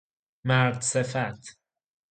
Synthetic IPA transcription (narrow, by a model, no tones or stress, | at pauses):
mæɾd̪sefæt̪ʰ